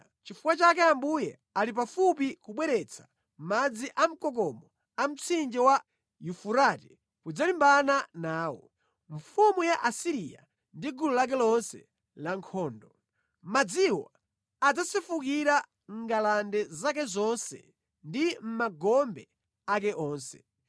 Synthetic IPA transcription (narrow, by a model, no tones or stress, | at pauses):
t͡ʃifukwat͡ʃakɛambujɛ | alip̬afupikuɓwɛɾɛt͡sʰḁ | m̩mad͡ziʔam̩kɔk̬ɔmɔ | am̩t͡sʰind͡ʒɛwa | jufuɾati | kud͡zalimbananaːwɔ̰ | ɱ̩fumujaʔasiɾija̰ | ndiɡululak̬ɛlɔnsɛ̰ | laŋkʰɔːndɔ | mad͡ziwa | ad͡zasifukiɾa | ŋ̩ɡalandɛzak̬ɛzɔnsɛ̰ | ndim̩maɡɔmbɛ | ak̬ɛʔɔːnsɛ̰